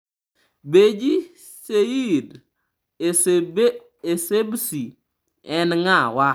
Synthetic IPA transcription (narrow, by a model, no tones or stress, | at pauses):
bed͡ʒi | seid | esebsi | ɛnŋawa